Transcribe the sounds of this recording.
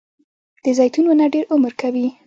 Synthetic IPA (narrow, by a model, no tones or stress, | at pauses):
d̪̥əzajt̪unwənaɖeɾʊməɾkʰawi